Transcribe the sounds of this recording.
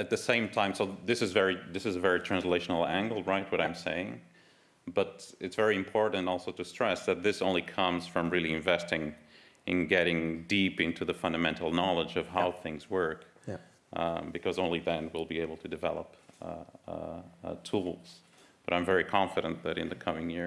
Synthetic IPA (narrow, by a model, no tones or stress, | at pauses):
ɨt̪̚ðɨsẽɪ̃mtʰãɪ̃msoʊðɪsɨzvɛɹiðɪsɨzəvɛɹitʰɹ̥æ̃nsleɪʃn̩l̩ˠæ̃ŋɡl̩ˠɹaɪt̚wʌɾãɪ̃mseɪɪ̃ŋ | b̥ʌɾɨtsv̥ɛɹiɨ̃mpʰɔɹʔn̩tɔlˠsoʊɾɨstɹ̥ɛsðɨt̪̚ðɪsõʊ̃nlikʰʌ̃mz̥fɹʌ̃mɹɪlˠiɨ̃ɱvɛstɪ̃ŋ | ʔɨ̃nɡɛɾɪ̃ŋdipɪ̃ntʰʉðəfʌ̃ndɨmɛ̃ntʰˡl̩ˠnɑlˠəd͡ʒʌv̥ɦaʊθɪ̃ŋzwɜ˞k | bɨkʰʌzõʊ̃nliðɨ̃nwɪlˠbieɪbl̩ˠtʰɨdɨvɛ̰lˠəp | tʰulˠz̥ | b̥ʌɾãɪ̃ɱvɛɹikʰɑ̃ɱfɨɾə̃nðɨɾɨ̰̃nðɨkʰʌmɪ̃ŋjɪɹ